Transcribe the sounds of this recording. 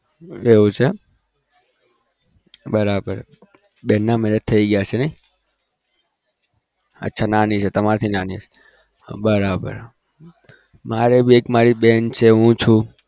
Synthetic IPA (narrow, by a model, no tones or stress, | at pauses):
eʋũt͡ʃʰe | bəɾabə̰ɾ | bɛnːamɛnət̪ʰəiɡəjat͡ʃʰenəi | ə̰tːʃʰananit͡ʃʰet̪əmaɾt̪ʰinanise | bəɾabə̰ɾ | maɾebʱiekmaɾibɛnt͡ʃʰeɦũt͡ʃʰũ